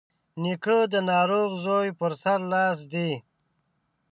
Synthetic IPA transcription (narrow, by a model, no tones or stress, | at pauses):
nikəd̪ənɑːɾoɣzojpəɾsaɾlɑːs̬d̪i